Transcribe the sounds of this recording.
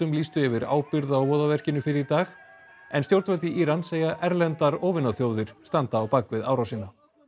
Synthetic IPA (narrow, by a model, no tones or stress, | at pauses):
ʏmliːst̪ʏɛvɪɾa̰ːwpɪɾðawvɔːðavɛr̥cɪnʏfɪɾɪɾit̪aːx | ɛnst̪jowɾt̪ɛlt̪ɪʔiːɾanseːjaʔɛɾlɛnt̪aɾoːwvɪnaθjoːwðɪɾ̥st̪ant̪aːwpaːkvɪðaːwɾawsɪnːa